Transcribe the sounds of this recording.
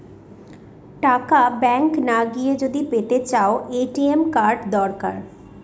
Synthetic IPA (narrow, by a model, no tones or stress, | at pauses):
ʈakabɛŋknaɡied͡ʑod̪ipet̪et͡ɕaoeʈiemkaɾɖd̪ɔɾka̰ɾ